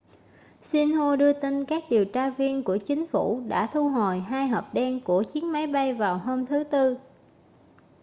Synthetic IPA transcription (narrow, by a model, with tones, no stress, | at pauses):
si˧nhu˧ɗɨ˧ət̪i˧nkaː˦˥k̚ɗi˨˩əwt͡ɕaː˧vi˧ənku˧˩ət͡ɕï˨˦ŋ̟fu˧˩ɗa̰ː˧˥t̪ʰu˧ɦo˨˩jɦaː˧jɦɔː˨˩p̚ɗɛ˧nku˧˩ət͡ɕi˨˦ənma˨˦jɓa˧jvaː˨˩wɦo˧mt̪ʰɨ˨˦t̪ɨ˧